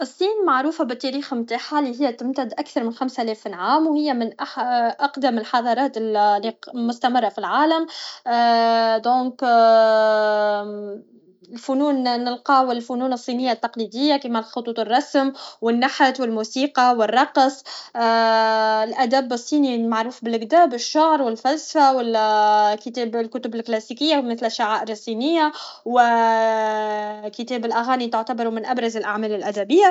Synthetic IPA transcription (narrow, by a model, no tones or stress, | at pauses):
ʔɨsˤːiːnmaʕɾuːfabɪt̪ːæɾiːxmt̪aːħaliɦɪjːæt̪ɪmt̪ad̪ʔakθɑɾˤmɪnxamsʔælɛːfɪnʕaːmwhɪjːæmɪnʔaħʔɑqd̪amɪlħɑðˤɑːɾˤɑːt̪ɪllːimʊst̪amərˤːɑfilʕaːlam | d̪õːk | ɪlfʊnuːnːɪlqɑːwɪlfʊnuːnɨsˤːiːnɪjːat̪ːɑqlid̪ɪjːakimalxʊt̪ˤuːt̪ˤɨrˤːɑsmwɪnːaħat̪wɪlmuːsiːqɑwɪrˤːɑqsˤ | ɪlʔæd̪æbːɨsˤːiːnimaʕɾuːfbɪlɡd̪æːbɪʃːaʕɾwɪlfælsḁfawɪlkɪt̪ɛːblkʊt̪ʊbɪlklæːsikɪjːamɪθlʔʃːaʕaːʔɪɾɨsˤːiːnɪjːawɪ | kɪt̪ɛːbɪlʔaɣaːnit̪ʊʕt̪abɑɾumɪnʔabɾˤɑzɪlʔaʕmæːlɪlʔæd̪æbɪjːa